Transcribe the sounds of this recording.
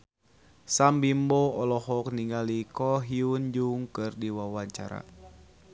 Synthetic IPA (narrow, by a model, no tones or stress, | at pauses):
sambimbɔɔlɔɦɔk̚niŋalikɔɦiund͡ʒuŋkɨrdiwawaɲt͡ʃa̰ɾa̰